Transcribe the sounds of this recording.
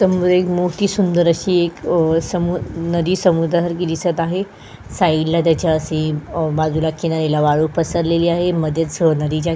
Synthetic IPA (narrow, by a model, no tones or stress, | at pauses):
səmud̪ɾekmoʈ̪iːsund̪əɾəɕiːeksəmunəd̪iːsəmud̪aɦəɾkid̪isət̪aɦe | sailːat̪at͡ɕaəsẽbad͡zulakʰeɽ̃aɾelaʋaɭupəsəɾleliːaɦeməd̪ʱjət̪sɦənəd̪iːd͡ʑa